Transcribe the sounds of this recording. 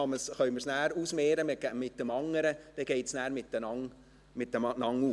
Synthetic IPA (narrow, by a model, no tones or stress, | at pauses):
ɑməsχœʏɥməɾsnæːɾusmeːɾəmɡmɪt̪ːəmɑŋːəɾəd̥ɛɡ̥ɛɪtsnæːɾmɪt̪ːənɑŋ | mɪt̪̚əmnɑŋːuː